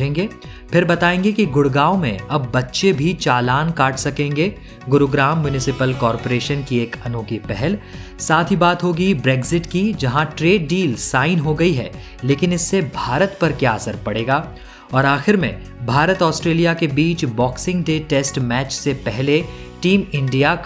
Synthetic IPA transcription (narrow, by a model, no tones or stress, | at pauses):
ẽːŋɡeː | pʰɪɾbɐt̪aːẽːŋɡekiɡʊɽɡaːomẽɐbːɐtːʃebʱit͡ʃaːlaːnkaːʈʰsɐkẽːŋɡeː | ɡʊɾoɡɾaːmjʊnɪsɪpəlkɔːɾpoːɾeːʃənkieːkɐnoːkipɛɦɛlsaːt̪ʰɦibaːt̪ɦoːɡibɾeːɡzɪʈkid͡ʒɐɦãʈɾeːɖ̚ːiːlsaːɪnɦoɡɐiɦɛ̰ː | leːkɪnɪsːebʱaːɾət̪pɐɾkjaɐsəɾpɐɽeːɡaː | ɔːɾaːxɪɾmḛ̃ | bʱaːɾət̪ɔːsʈɾeːlijakebiːt͡ʃbɔːksɪ̃ŋɡɖeːʈeːsʈmɛːt͡ʃsepɛɦle | ʈiːmɪ̃ɳɖijak